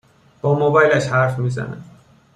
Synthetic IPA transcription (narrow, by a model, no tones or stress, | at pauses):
b̥ɒːmobɒːjlæʃhæɾfmiːzæ̰næ̰